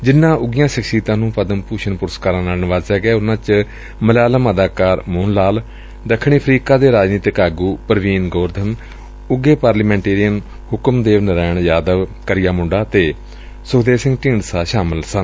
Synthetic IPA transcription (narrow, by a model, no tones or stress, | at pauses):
d͡ʒɪnːãːʔʊɡɪjãːʃəkʰʃiːt̪ãːnũːpəd̪əmpuːʃənpʊɾəskaːɾãːnaːlnɪʋaːzɦɛːɡɛːʊnãːt͡ʃ | məlaːləməd̪aːkaːɾmʊːnlaːl | d̪əkʰːɳiːəpʰɾiːkaːd̪eːɾaːd͡ʒniːt̪ɪkaːɡuːpəɾʋiːnɡoːɾd̪ʱəm | ʊɡeːpaːɾləmɛ̃ːɳʈeːɾijən | hʊkəmd̪eːʋnəɾaːɳjaːd̪əʋkəɾɪjaːmʊɳɖaːt̪eː | soːd̪eːsɪ̃ŋɡʈĩːɳɖsaːʃaːməlsən